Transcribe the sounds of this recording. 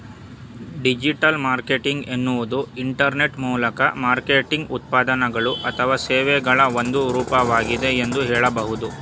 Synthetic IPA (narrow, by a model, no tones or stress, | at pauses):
ɖid͡ʒiʈɐlmaːɾkeʈiŋɡenːuʋud̪uiɳʈɐɾne̞ʈmuːlɐkɐ̰maːɾkeːʈiŋɡut̪̚paːd̪ɐnɐɡɐɭuʔɐt̪ʰɐʋaːseːʋɛɡɐɭɐond̪uɾuːpɐʋaːɡid̪e̞end̪uɦɛːɭɐbɐɦud̪u